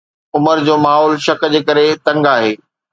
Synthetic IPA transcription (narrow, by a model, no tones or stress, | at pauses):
ʊməɾd͡ʑoːmaːɦɔːlʃɐkd͡ʑeːkɐɾet̪ɐ̃ŋɡaːɦeː